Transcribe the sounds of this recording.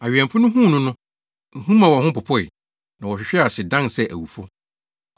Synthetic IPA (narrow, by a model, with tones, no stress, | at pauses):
a˨ɥʲᶣɛ̃˨mfʊ˦nʊ̃˦ɦũ˦˨nʊ̃˦nʊ̃˦ | n̩˨hũ˦mã˨wɔ˨hʊ̃˦pʊ˨pʰɔ˦i˨ | nã˨wɔ˨ɕᶣɪ˨ɕᶣɛ˦a˨sɪ˨dã˦nsɛ˦˨ʔæ̰˨wu˨fɔ˦